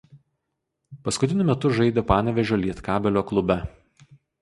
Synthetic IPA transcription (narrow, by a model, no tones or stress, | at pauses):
pɐskʊt̪ʲɪnʲʊmʲɛt̪ʊʒɐɪd̪ʲopɑːnʲɛʋʲɛʒʲoːlʲiɛt̪kɑːbʲɛlʲoːklˠʊbʲɛ